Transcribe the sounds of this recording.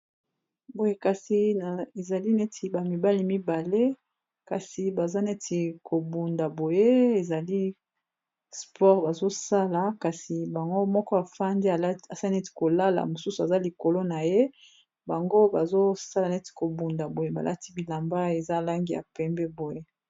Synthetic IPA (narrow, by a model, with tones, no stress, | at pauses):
bo˨je˦ka˨si˨na˨e˨za˨li˦ne˦tʰi˨ba˨mi˨ba˦li˦mi˦ba˨le˦ | ka˨si˨ba˨za˦nɛ˦tʰi˨kʰo˨bu˨nda˨bo˨je˦e˨za˨li˦ | spʰɔ˦ʁba˨zo˦sa˦la˨ka˨si˨ba˨ŋɡo˦mɔ˦kɔ˦a˨fa˦ndi˦˨a˨sa˦nɛ˦ti̥˨ko˨la˦la̰˨mo˨su˦su˨a˨za˦li˨ko˨lo˦na˨je˦ | ba˨ŋɡo˦ba˨zo˦sa˦la˨nɛ˦ti̥˨ko˨bu˨nda˨bo˨je˦ba̰˨lʔa̰˦ti̥˦bi˨la˨mba˦e˨za˦˨la˦ŋɡi˦ja̰˨pɛ˨mbɛ˦bo˨je˦